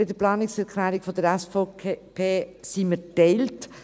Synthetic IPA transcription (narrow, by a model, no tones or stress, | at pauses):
bɪd̪əɾplɑːnɪksɛɾkʰlæːɾikfɔd̥̪əɾæsfopʰeːsimətɛɪlt